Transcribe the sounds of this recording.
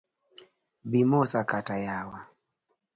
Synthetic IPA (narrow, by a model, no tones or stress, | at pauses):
bimɔsakatajawa